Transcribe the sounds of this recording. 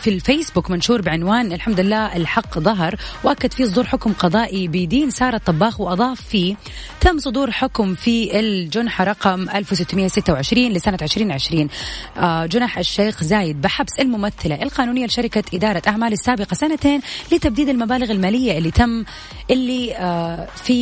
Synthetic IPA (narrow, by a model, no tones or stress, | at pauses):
filfeːsbʊkmanʃuːɾbɪʕɪnwaːnʔɪlħamd̪ʊɪlːaːʔɪlħɑqːðˤɑɦɾˤwʔakːad̪fiːs̬ˤʊd̪uːɾħʊkmqɑðˤɑːʔibɪd̪iːnsɑːɾˤɑt̪ˤːɑbːɑːxwʔɑðˤɑːfːiː | t̪amːsˤʊd̪uːɾħʊkmfiʔɪld͡ʒʊnħaɾˤɑqɑmʔalfwsɪt̪ːmɪjːasɪt̪ːawʕɪʃɾiːnlɪsanaʕɪʃɾiːnʕɪʃɾiːn | d͡ʒʊnaħʔɪʃːeːxzaːjɪd̪̚bɪħabsɪlmʊmaθːɪlaʔɪlqɑːnuːnɪjːalɪʃaɾɪkaʔɪd̪ɑːɾˤɑʔaʕmaːlɪsːaːbɪqɑsanat̪eːnlɪt̪ab̚d̪iːd̪ɪlmabaːlɪɣɪlmaːlɪjːaʔɪlːit̪amː | ʔɪlːi | fi